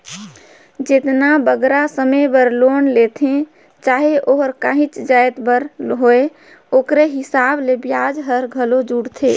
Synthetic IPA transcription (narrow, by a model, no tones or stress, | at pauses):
d͡ʒet̪nabəɡɾasəmebəɾloːnlet̪ʰẽ | t͡ʃaɦeʔoɦəɾkãːɦĩt͡ʃd͡ʒaet̪bəɾɦoe | okɾeɦɪsaːblebjad͡ʒɦəɾɡʱəlod͡ʒuɽt̪ʰe